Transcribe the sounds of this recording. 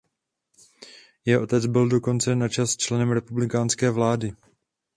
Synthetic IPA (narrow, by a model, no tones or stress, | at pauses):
jɛɦoʔo̞t̪ɛd͡zbɪldo̞ko̞nt͡sɛnat͡ʃast͡ʃlɛnɛmɾɛpublɪkaːnskɛːvlaːdɪ